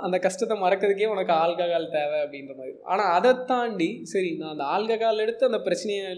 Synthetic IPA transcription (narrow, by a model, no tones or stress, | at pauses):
ɐnd̪ɐkɐsʂʈɐt̪ːɛmɐɾɐkːɐðɯk̬ːeːɔnɐkːɯaːɭkaɣaːlt̪eːʋɛɐpːɐɽɪnɾɐmaːðɾiʔa̰ːnaːɐðɛt̪ːaːɳɖisɐɾɪnãːɐnd̪ɐaːlkɐɣaːlɛɽɯt̪ːɯɐnd̪ɐpɪɾɐt͡ʃːɐnɐjɐ